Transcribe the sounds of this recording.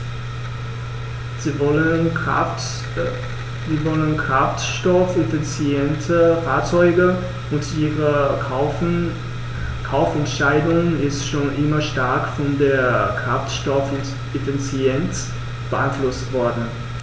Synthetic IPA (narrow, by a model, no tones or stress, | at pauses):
zə | ziːvɔlənkʁ̥aftʃtɔfɪnfɪt͡sɛntʰəfaːɐt͡sɔʏɡə | ʊntʔiːʁə | kʰaʊfɛntʃaɪdʊŋɪstʃoːnʔɪmɐʃtaɐkfɔndeːɐkʁ̥aftʃtɔfʊt | ɪfɪt͡sjɛnt | b̥əʔaɪnflʊstv̥ɔɐdn̩